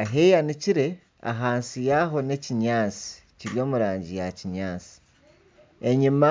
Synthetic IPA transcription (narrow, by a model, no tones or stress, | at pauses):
aɦejaniciɾe̞ | a̰ɦaːnsijaɦo̞ne̞ciɲaːt͡si̥ | ciɾijo̞ːmuɾaːɲɟijaciɲaːt͡si̥ | eɲima